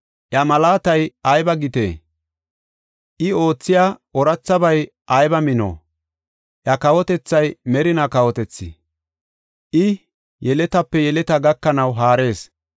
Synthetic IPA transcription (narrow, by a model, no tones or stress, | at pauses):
ʔjɐmɐlaːt̪ɐjɐjbɐɡɪt̪ḛː | ʔɪo̞ːt͡sːɪjaɔɾɐt͡sːɐbɐj | ʔɐjbɐmɪno̰ː | ʔjɐkɐwɔt̪ɛt͡sːɐjmɛɾɪnɐkɐwɔt̪ɛt͡sːɪ̰ | ʔɪ | jɛlɛt̪ɐpːɛjɛlɛt̪ɐɡɐkːɐnɐwɦaːɾe̞ːs